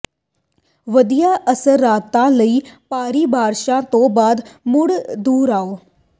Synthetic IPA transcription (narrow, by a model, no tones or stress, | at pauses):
ʋəd̪ijaːʔəsəɾːaːt̪ãːləiːpaːɾiːbʱaːɾʃãːt̪õːbaːd̪mʊɽd̪uːɾaːoː